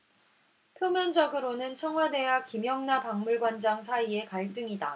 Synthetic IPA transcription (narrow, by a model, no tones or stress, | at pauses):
pʰjomjʌnd͡ʑʌɡɯɾonɯnt͡ɕʰʌŋɦwade̞ɦak̚kimjʌŋnapaŋmuɭɡwand͡ʑaŋsʰaie̞kaɭt͈ɯŋida